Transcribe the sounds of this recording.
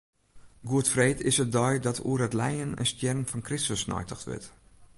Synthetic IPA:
ɡuətfreːtɪsət̚dɔjdɔtʰṵəɾətlɛjənə̰nstjɛrnfɔnkrɪstəsnɔ̰jtʰəxtʋɪ̰t

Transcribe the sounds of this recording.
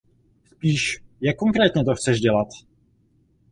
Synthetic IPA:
spiːʃjakːoŋkɾɛːt̪ɲɛt̪oxt͡sɛʒɟɛlat̪

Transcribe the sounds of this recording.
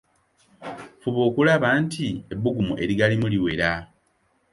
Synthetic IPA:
fuβoːkulaβaːntʰie̞bːuɡumuʔe̞ɾiɡalimuliwe̞ɾa

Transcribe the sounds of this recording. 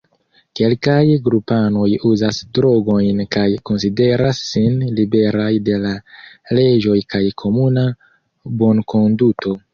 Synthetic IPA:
ke̞lkajɡɾupano̞juzasdɾo̞ɡo̞jnkajko̞ns̬ide̞ɾasːinlibe̞ɾajde̞lale̞d͡ʒo̞jkajkʰo̞muna | bo̞nkʰo̞nduto̞

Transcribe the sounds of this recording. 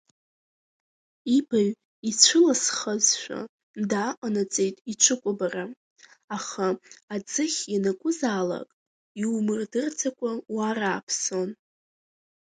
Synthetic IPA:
ibaɥ | it͡ɕʷʰʊlasχazʃʷᶣa̰ | ndaːqʼanat͡sʼe̞jtʼit͡ʃʷʰɨkʷʼʊbara | aχaad͡zɨχʲjanakʷʼʊzaːla̰kʼ | iwmɨrdɨrt͡sʰakʷʼawaɾaːpʰso̞n

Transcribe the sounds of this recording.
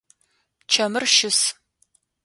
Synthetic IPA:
t͡ʃʰɐmɨrʃɪs

